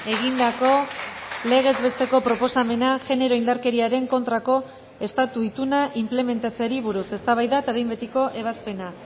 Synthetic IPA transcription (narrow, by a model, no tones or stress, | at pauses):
e̞ɣ̞ind̪ako̞le̞ɣ̞e̞zβe̞st̪e̞ko̞pɾo̞po̞same̞naʝe̞ne̞ɾo̞ind̪aɾke̞ɾiaɾe̞ŋko̞nt̪ɾako̞ | e̞st̪at̪uit̪unaʔimple̞me̞nt̪at͡seɾiβ̞uɾuse̞st̪aβajðaet̪aβejmbet̪iko̞ʔe̞β̞aspe̞na